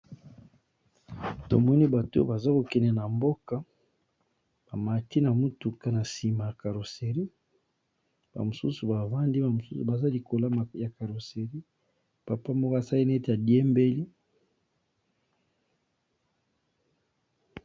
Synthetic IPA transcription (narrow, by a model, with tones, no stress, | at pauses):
to̰˨mɔ˦ni˦ba˨to̰˦ba˨za˦ko˨kɛ˨nɛ˨na˨mbo˦ka˦ | b̥a˨ma˨ti˦na˨mu˦tu˨ka˦na˨si˨ma˨ja˨ka˨ɾo˨se˨ʁi˦ | b̥a̰˨mo˨sṵ˦su˨ba˨va˦ndi˦ba˨mo˨su˦su˨ba˨za˦li˨ko˨la˦m˨ja˨ka˨ɾo˨se˨ʁi˦ | pa˨pa˦mbo˦ka˨sa˦li˦n˦e˦te˨a˨di˦ɛ˦mbe˦li˦